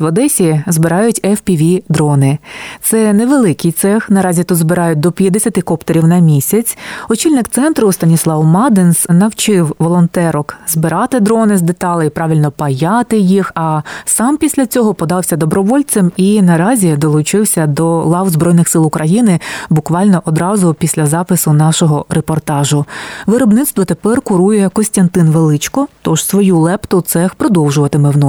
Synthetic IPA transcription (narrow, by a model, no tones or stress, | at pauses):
ʋɐd̪ɛsʲizbɪɾɑjʊtʲɛfpʲiʋʲid̪ɾɔnɪt̪sɛneʋelˠɪkʲijt̪sɛxnɐɾɑzʲit̪ud̪zbɪɾɑjʊt̚ʲd̪ɔpʲjɐd̪esʲɐt̪ɪkɔpt̪eɾʲiwnɐmʲisʲɐt͡sʲɔt͡ʃilʲnɪkt̪sɛnt̪ɾʊst̪ɐnʲislˠɑwmɑd̪ɪnsnɐwt͡ʃɪwʋɔlˠɔnt̪ɛɾɔkzbɪɾɑt̪ɪd̪ɾɔnɪzd̪et̪ɑlˠɪipɾɑʋʲilʲnɔpɐjɑt̪ɪjixɐsɑmpʲisʲlʲɐt͡sʲɔɦɔpɔd̪ɑwsʲɐd̪ɔbɾɔʋɔlʲt͡s̪ɛminɐɾɑzʲid̪ɔlˠʊt͡ʃɪwsʲɐd̪ɔlˠɑwzbɾɔjnɪxsɪlˠʊkɾʔɐjinɪbʊkʋɑlʲnɔʔɔd̪ɾɑzʊpʲisʲlʲɐzɑpɪsʊnɑʃɔɦɔɾepɔrt̪ɑʒʊʋɪɾɔbnɪt̪st̪ʋɔt̪epɛrkʊɾujɛkɔsʲt̪ʲɐnt̪ɪnʋelˠɪt͡ʃkɔt̪ɔʒ̥sʋɔjulˠɛpt̪ɔt̪sɛxpɾɔd̪ɔwʒʊʋɐt̪ɪmɪwnɔ